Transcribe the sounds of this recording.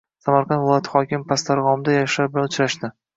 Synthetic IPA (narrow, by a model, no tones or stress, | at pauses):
samaɾqʰɑnd̪vɪlˠɒjat̪ʰɪ̥χɒkʲɪmpʰast̪aɾʁɒmd̪ajaʃlabɪlanʊt͡ʃɾaʃd̪ɪ